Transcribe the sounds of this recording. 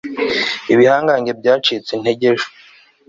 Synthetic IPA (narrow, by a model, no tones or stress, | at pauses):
iβihaːŋɡaːɲɟe̞bɟaːt͡ʃit͡sen̥he̞ɟe̞ʒu̥